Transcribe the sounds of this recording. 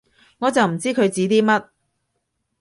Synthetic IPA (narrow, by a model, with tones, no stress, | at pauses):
ŋɔː˨˧t͡sɐ˨wm̩˨˩t͡siː˥kʰɵ˨˧ɥt͡siː˨˥t̪iː˥mɐ˥t̚